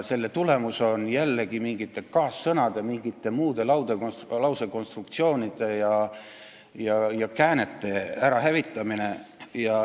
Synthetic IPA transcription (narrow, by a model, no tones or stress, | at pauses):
se̞lːe̞t̪ule̞muso̞njælːeɡ̥imiŋɡit̪ːˑe̞kɑːsːɤnɑd̪̥e̞miŋɡ̥it̪ːˑe̞muːd̪̥e̞lɑwd̪̥elɑwseko̞nst̪rukt̪sio̞ːnid̪̥e̞jɑ | jɑjɑkæːnet̪ːˑe̞æɾɑɦævit̪ːˑɑmine̞jɑ